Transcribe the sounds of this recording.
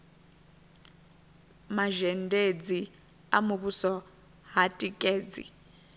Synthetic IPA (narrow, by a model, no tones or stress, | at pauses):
maʒɛndʱed͡zi | amuβusɔ | ɦatʼikʼeːd͡zḭ